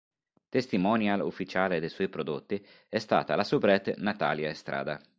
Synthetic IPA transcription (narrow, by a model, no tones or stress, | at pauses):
t̪est̪imɔnjalṵfːit͡ʃaːled̪ejswɔjpɾod̪ot̪ːi | ɛst̪a̰ːt̪alasubɾɛt̪ːnat̪a̰ːljaest̪ɾʔa̰ːd̪a̰